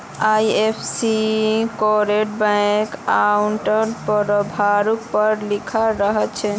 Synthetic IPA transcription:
ajepʰsikɔɾeʈbãkauɳʈəɾpəɾobʱaɾuk̚pəɾlikʰaɾəɦətt͡ʃʰɛ

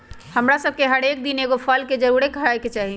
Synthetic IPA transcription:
həmɾasəb̚keɦəɾek̚d̪ineɡopʰəlked͡ʒəɾuɾekəɾajket͡ʃaɦi

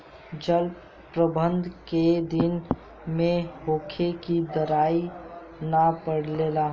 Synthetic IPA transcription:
d͡ʒəl | pɾəbə̃nd̪ʱked̪ɪn | mẽɦoːkʰekid̪əɾaːi | napəɽleːla

